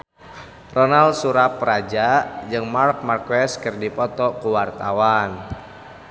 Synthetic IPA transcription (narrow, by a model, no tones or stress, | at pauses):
rɔnalsuɾaprad͡ʒad͡ʒɨŋmark̚markwɛskɨrdipɔt̪ɔkuwart̪awan